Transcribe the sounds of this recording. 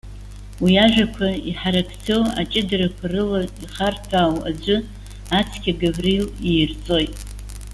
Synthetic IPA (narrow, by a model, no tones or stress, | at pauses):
wiaʒᶣakʷʰaiħaɾapʰt͡sʰowa̰t͡ʃʼɪdarakʷʰarɨlaiχartʰaːwa̰d͡ʒʷɨ | at͡sʰkʲaɡaβrilijrt͡sʼo̞jtʼ